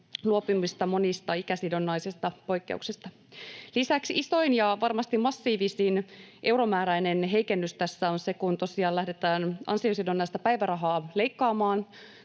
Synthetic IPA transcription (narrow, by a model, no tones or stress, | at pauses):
luo̞pimist̪ɑmo̞nist̪ɑikæsido̞nːɑjsest̪ɑpo̞jkːe̞̰ṵksest̪ɑ | lisæksiso̞injɑʋɑrmɑst̪immɑsːiːʋisinʔe̞wɾo̞mæːɾæjne̞nɦe̞jkenːyst̪æsːæo̞nse̞kunt̪o̞siɑːlæhde̞t̪æːnɑ̰nsiosido̞nːɑjst̪ɑpæjʋæɾɑɦɑːle̞jkːɑːmɑːn